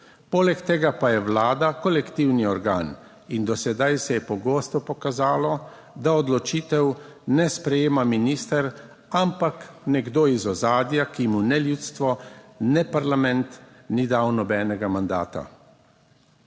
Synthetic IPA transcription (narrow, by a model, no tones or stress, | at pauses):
poːlɛkt̪eːɡapajɛʋlaːd̪akɔlɛkt̪iwniɔɾɡa̰ːn | ind̪ɔsɛd̪ajsɛjɛpɔɡoːst̪ɔpɔkazaːlɔ | d̪aɔd̪lɔt͡ʃiːt̪ɛw | nɛspɾɛjeːmaminiːst̪ɛɾ | ampaknɛɡd̪oːizɔzaːd̪jakimunɛljuːt̪st̪ʋɔnɛpaɾlamɛnt̪ | nid̪awnɔbɛːnɛɡamand̪a̰ːt̪a̰